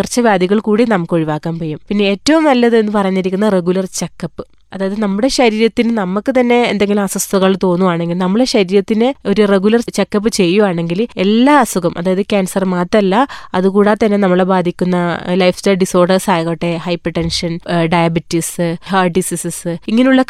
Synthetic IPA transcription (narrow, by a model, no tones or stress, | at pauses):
rt͡ɕːɐʋjaːd̪ʱiɣɐɭkuːɽinɐmukːo̞ɻiʋaːkːaːnpojumpinːe̞eːtːɐʋumnɐlːɐðɨe̞nːɨpɐrɐjɲːiɾikʲːunːɐre̞ɣulɐrt͡ɕekːɐpːɨ̥ | ɐðaːjɐðɨnɐmːuɽe̞ɕɐɾiːɾɐt̪ːinɨnɐmːukːɨt̪ɐnːe̞ːnd̪e̞ŋɡilumɐsɐst̪ʰuɣɐɭt̪o̞ːnːuʋaːɳe̞ŋɡilnɐmːuɽe̞ɕɐɾiːɾɐt̪ːinɨo̞ɾure̞ɣulɐrt͡ɕe̞kːɐp̬ːɨt͡ɕe̞jːuʋaːɳe̞ŋɡile̞lːaːɐsuɣɐmʔɐ̰ðaːjɐðɨkʲaːnsɐrmaːt̪ːɐɐlːɐɐðukuːɽet̪ɐnːe̞nɐmːɐɭebaːd̪ʱikʲːunːɐlɐjfstɐɐɖiso̞ːrɖɐrsaːjɣɐʈːehɐjpɐʈːenʂɐnɖɐjɐbitːisɨhaːɖisisisɨiŋːɐneuɭːɐ